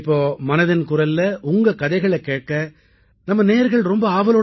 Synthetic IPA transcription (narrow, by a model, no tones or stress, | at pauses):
pːoːmɐnɐðɐnkʊɾɐlːɐʔʊŋɡɐkɐðɐɪɣɐɭɛkːeːʈ̚kɐ | nɐmːɐneːɾɣɐɭɾɔmbɐaːʋɐloː